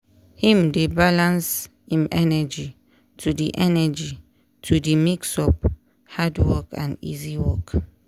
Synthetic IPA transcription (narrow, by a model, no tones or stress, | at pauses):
hĩmdebalãns | hĩmɛnɛd͡ʒi | tʰudiʔɛnɛd͡ʒi | tʰudimiksɔp | hadwɔkʰã̰nḭziwɔk